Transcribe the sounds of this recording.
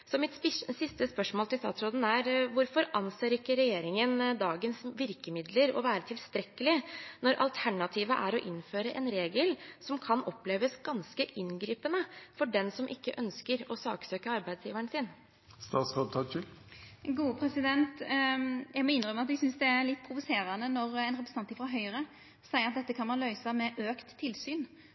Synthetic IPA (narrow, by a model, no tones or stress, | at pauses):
sɔmɪt̪sɪst̪əspœʂmoːlt̪ʰɪlst̪ɑ̰ːt̪sɾoːd̪n̩æɾʋʊɾfɔɾɑnseːɾɪkːəɾɛjeːɾɪŋənd̪ɑːɡənsʋɪɾkəmɪd̪ləɾɔ̰ʋæːɾət̪ʰɪlst̪ɾɛkːəlɪnɔɾʔɑ̰lt̪ʰæɳɑt̪ʰiːʋəʔæɾɔʔɪnːføːɾəʔɛnɾeːɡəlsɔmkʰɑnɔpːleːʋəsɡɑnskəʔɪnɡɾiːpənəfɔɖɛnsɔmʔɪkːəʔœnskəɾɔsɑːksøːkəɑɾbæɪd̪sjiːʋæɳsɪːn | st̪ɑːt̪skɑb̚t̪ʰɑçɪlɡuːəpʰɾɛsɪd̪ɛnt̪ | jæɡmɛɪnɾœməɑt̪ɛɡsʏnsd̪ɛæɾlɪt̪ːpʰɾʊʋʊseːɾɑnənɔɾɛnɾɛpɾsɑiʋɑɾɦœʏɾə | sæɪəɾɑt̪̚d̪ɛt̪ːəkʰɑnmɑnlœʏsɑmɛʔøːkt̪ʰːɪlsyːn